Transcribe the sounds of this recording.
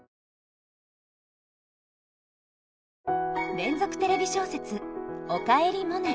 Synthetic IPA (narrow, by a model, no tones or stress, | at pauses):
ɾẽ̞nd͡zo̞kɯ̟̥t̪e̞ɾe̞bʲiɕo̞ːse̞t͡sɨokaeɾʲimona